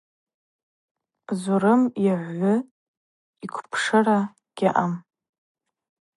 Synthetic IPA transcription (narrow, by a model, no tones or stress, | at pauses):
zuɾɨmjiʕʷːʊ | ikʷʰpʰʂɨra | ɡ̥ʲaʔam